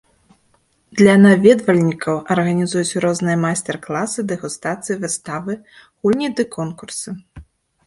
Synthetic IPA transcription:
d̪lʲɐnavʲɛd̪vɐlʲnʲikʰɐwʔɐrɣɐnʲizujut͡sʲɾɔznɨjɐmajsʲt̪ʲɛrklˠasɨd̪ɨɣust̪at̪sɨjivɨst̪avɨ | ɣulʲnʲid̪ɨkʰɔnkursɨ

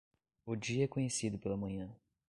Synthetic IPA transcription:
ʊd͡ʒiɐɛkõɲesid̪ʊpelɐmɐ̃ɲɐ̃

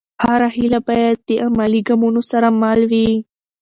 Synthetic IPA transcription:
haɾaɦilabajad̪̚d̪eʔamaliɡamunosaɾamalwi

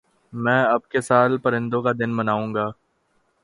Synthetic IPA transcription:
mɛ̃ːɐb̚kesaːlpɐɾɪ̃nd̪õkad̪ɪnbɐnaːũːŋɡaː

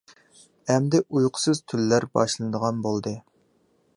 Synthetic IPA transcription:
ɛmd̪ɪʔujqʰʊ̥sɨz̥t̪ʰylːæɾbɑ̰ʃlˠɨnɨd̪əʁɑnbolˠd̪ɨ

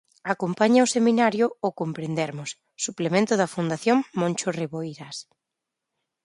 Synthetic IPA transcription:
akompaɲaʊsemĩnaɾjʊokompɾend̪ɛɾmʊsːuplemẽnt̪ʊðɐfund̪aθjoŋmõnʲt͡ʃoreβoiɾas

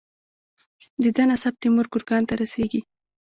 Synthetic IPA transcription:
d̪əd̪anasab̚t̪emʊɾkʊɾkɑnt̪aɾaseɡi

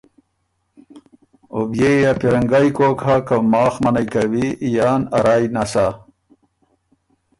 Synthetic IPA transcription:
objejapiɾɐŋɡaːjkoːkʰakamɑːxmɐnajkɐwijaːnɐ̰ɾaːjnasa

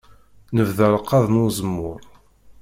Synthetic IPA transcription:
nəvðəɾˤəqːɑðˤnʊzəmːʊɾˤ

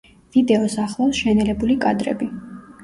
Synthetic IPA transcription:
vid̪ɛɔsaχlˠɔsʃɛnɛlɛbulikʼad̪ɾɛ̰bi

